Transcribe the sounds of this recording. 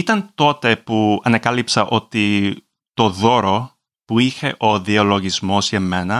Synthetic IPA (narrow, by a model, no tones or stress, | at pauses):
it̪ɐnt̪o̞t̪e̞puɐnekɐlipsɐʔo̞t̪i | t̪o̞ðo̞ɾo̞ | puiçe̞ʔo̞ðio̞lo̞ʝizmo̞zʝeme̞nɐ